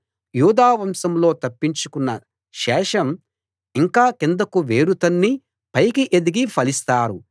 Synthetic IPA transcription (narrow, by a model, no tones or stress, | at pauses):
juːd̪aːʋɐmsɐmlo̞ːt̪ɐpːiɲt͡ʃukunːɐ | ʃɛːʂɐm | iŋkaːkind̪ɐkuʋeːɾut̪ɐnːi | pɐjkiʔed̪iɡipʰɐlist̪aːɾu